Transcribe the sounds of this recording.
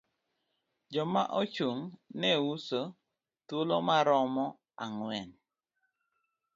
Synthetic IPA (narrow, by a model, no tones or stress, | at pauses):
d͡ʒɔma̰ʔɔt͡ʃoŋnɛuso | tolomaɾɔmɔ | aŋwɛn